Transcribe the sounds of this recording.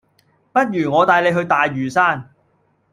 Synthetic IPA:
pɐ˥t̚jyː˨˩ŋɔː˨˧t̪aː˨˧jle˨˧jɦɵ˧ɥt̪aː˨jːyː˨˩saː˥n

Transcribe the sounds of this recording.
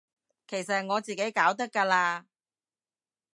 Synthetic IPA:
kʰe˨˩js̬ɐ˨t̚ŋɔː˨˧t͡siː˨ke˨˥jkaː˨˥wt̪ɐ˥kːaː˧laː˧

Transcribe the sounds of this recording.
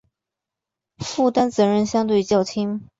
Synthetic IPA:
fu˥˩t̪a˥nt͡sɤ˧˥ɻə˥˩nɕjɑ˥ŋt̪̬we˥˩ɪt͡ɕjɑ˥˩ʊt̪ʰi˥ŋ

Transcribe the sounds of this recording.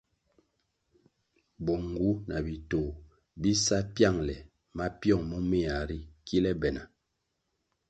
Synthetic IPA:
bɔ˨ŋ˨ɡu˨˦nʔa˨bi˨toː˨ | bi˦sa˦pja˦˨ŋlɛ˨ | ma˦pjɔ˦˨ŋmɔ˦me˦a˨ɾi˦kʰi˦lɛ˦bɛ˨na˨

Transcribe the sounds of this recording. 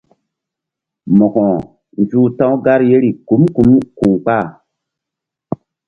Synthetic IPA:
mɔ˨kɔ̃˨ | nd͡ʒuː˦tã˦ɡa˦ɾje˦ɾi˨ku˨˦mku˨˦mku˨ŋk͡pa˦˨

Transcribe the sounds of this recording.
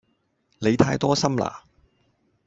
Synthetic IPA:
le˨˧jt̪ʰaː˧jt̪ɔː˥sɐ˥mla̰ː˨˩

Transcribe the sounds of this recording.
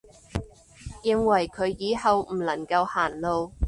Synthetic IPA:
jɪ˨˧ŋwɐ˨˩jkʰɵ˨˧˥ɥjiː˨˧˥hɐ˨wm̩˨˩lɐ˨˩ŋkɐ˧whaː˨˩nlo˨˧w

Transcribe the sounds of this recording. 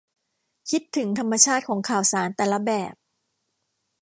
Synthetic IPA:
kʰi˦˥t̪ʰːɯ˩˦ŋt̪ʰa˧mːa˧t͡ɕʰaː˥˩t̪̚kʰɔː˩˦ŋkʰaː˨˩wsaː˩˦nt̪ɛː˨˩la˦bɛː˨˩p̚

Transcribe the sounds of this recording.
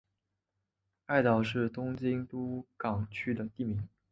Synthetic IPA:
a˥˩ɪt̪ɑ˨˩ʊʂɻ̩˥˩t̪ʊ˥ŋt͡ɕi˥ŋt̪u˥kɑ˨˩ŋt͡ɕʰy˥d̪ə˨t̪i˥˩mi˧˥ŋ

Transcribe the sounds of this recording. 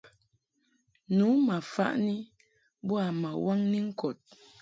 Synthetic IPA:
nu˨˦ma˨fa̰˦ʔni˦ | bu˦a˨ma˨wa˦ŋni˦ŋ̩˦kɔ˨t̚

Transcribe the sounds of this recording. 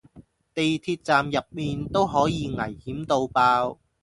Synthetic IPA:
t̪e˨jt̪ʰiː˧t̚t͡saː˨mjɐ˨p̚miː˨nt̪o˥wɦɔː˨˥jiː˨˧ŋɐ˨˩jhiː˨˥mt̪o˧wpaː˧w

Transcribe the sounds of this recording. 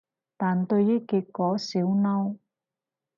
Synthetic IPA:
t̪aː˨nt̪ɵ˧ɥjiː˥kiː˧t̚kːɔː˨˥siː˨˥wnɐ˥w

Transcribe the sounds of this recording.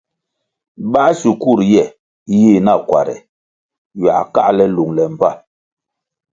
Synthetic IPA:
ba˦ʔsu˨ku˦˨ɾjɛ˦˨ | ji˦˨na˦˨kwa̰˨ɾɛ̰˨ | ɥa̰˨ka̰˦ʔlɛ˦lu˨ŋlɛ˨m̩˨pa˦˨

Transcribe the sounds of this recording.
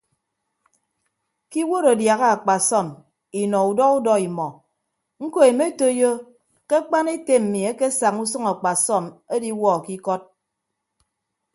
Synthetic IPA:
ki˦wo˦ɾo˨dja˨ɣa˦a˨k͡pa˨sɔ˦˨m | i˨nɔ˨u˨dɔ˦u˦dɔ˦i˨mɔ˨ | ŋ̩˦ko˦e˨me˦to˦jo˦ | ke˦k͡pa˦ne˦te˦m̩˨mi˨e˦ke˦sa˨ŋu˦sɨ˦ŋa˨k͡pa˨sɔ˦˨me˦di˦wɔ˦a˨ki˦kɔ˦t̚

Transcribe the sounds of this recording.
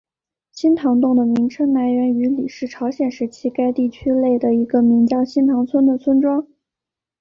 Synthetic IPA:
ɕi˥nt̪ʰɑ˧˥ŋt̪ʊ˥˩ŋd̪ə˩mi˧˥ŋʈ͡ʂʰə˥ŋna˧˥nɥɛ˧˥ny˧˥li˨˩ʂɻ̩˥˩ʈ͡ʂʰɑ˧˥ʊɕjɛ˨˩nʂɻ̩˥˧˥t͡ɕʰi˧˥ka˥ɪt̪i˥˩t͡ɕʰy˥le˥˩ɪd̪ə˩i˧˥ɡə˧mi˧˥ŋt͡ɕjɑ˥˧ʊɕi˥nt̪ʰɑ˧˥ŋt͡sʰwə˥nd̪ə˨˩t͡sʰwə˥nʈ͡ʂwɑ˥ŋ

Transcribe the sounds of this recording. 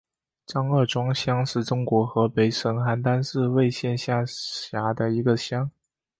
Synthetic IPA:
ʈ͡ʂɑ˥ŋə˞˥˩ʈ͡ʂwɑ˥ŋɕjɑ˥ŋʂɻ̩˥˩ʈ͡ʂʊ˥ŋkwɔ˧˥xɤ˧˥pe˧˥ɪʂɤ˧˥ŋxa˧˥nt̪a˥nsɹ̩˥˧we˥˧ɪɕjɛ˥˧nɕja˥˩ɕja˧˥d̪ə˧i˧˥ɡə˧ɕjɑ˥ŋ

